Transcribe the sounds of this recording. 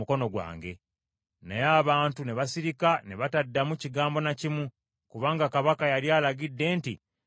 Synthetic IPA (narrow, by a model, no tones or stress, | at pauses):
uko̞no̞ɡwa̰ːŋɡe̞̰ | nejaːβaːntuneβasiɾikaneβatadːamuciɡaːmbo̞nacimu | kuβaːŋɡakaβakajaɾjaːlaɡidːe̞ːnti